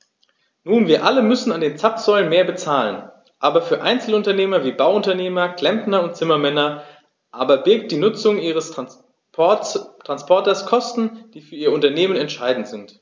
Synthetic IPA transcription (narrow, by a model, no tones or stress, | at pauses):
nuːnviːɐʔaləmʏsn̩andeːnt͡sapz̥ɔʏlənmeːɐbət͡saːlən | ʔaːbɐfyːɐʔaɪnt͡sl̩ʊntɐneːmɐviːbaʊʊntɐneːmɐkʰl̥ɛmpnɐʊnt̚t͡sɪmɐmɛnɐ | ʔaːbɐbɪɐk̚t̚d̥iːnʊt͡sʊŋʔiːʁəs | tʁ̥anspʰɔɐtɐskʰɔstn̩d̥iːfyːɐiːɐʊntɐneːmənɛntʃaɪdn̩tz̥ɪnt